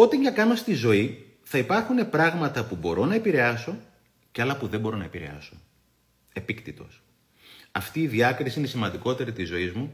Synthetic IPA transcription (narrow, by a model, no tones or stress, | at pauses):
o̞t̪ɐɲɟɐkɐno̞st̪izo̞i | θɐipɐɾxune̞pɾɐɣmɐt̪ɐpubo̞ɾo̞nɐepiɾe̞ɐso̞ | ceɐlɐpuðembo̞ɾo̞nɐepiɾe̞̰ɐ̰so̞ | e̞pikt̪it̪o̞̰s | ɐft̪iːðiɐkɾisiine̞simɐnd̪iko̞t̪e̞ɾit̪izo̞izmu